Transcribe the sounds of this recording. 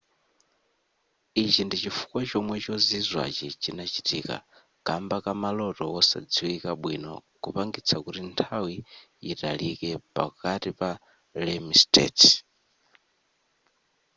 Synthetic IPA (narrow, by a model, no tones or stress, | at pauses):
it͡ʃindit͡ʃifu̥kwat͡ʃɔmwɛt͡ʃɔzizwa̰t͡ʃit͡ʃinat͡ʃitika̰ | kambakamalɔtɔwɔsa̰d͡ziwikaɓwinɔ̰kupaŋɡit͡sʰakutintʰawi | italikɛpa̰katipa | lɛmistɛ̰t